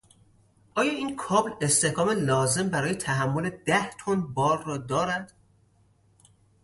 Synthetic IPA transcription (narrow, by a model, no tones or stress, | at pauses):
ʔɒːjɒːiːnkʰɒːble̞st̪e̞hkɒːmelɒːze̞mbæɾɒːje̞t̪ʰæɦæmːole̞d̪æht̪ʰonbɒːɾːɒːd̪ɒːɾæd̪̥